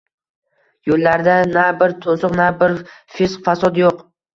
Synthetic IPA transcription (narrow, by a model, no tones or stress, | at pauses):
jolːaɾd̪anabɪɾt̪ʰosʊqnabɪɾfɪsqfasɒt̪joq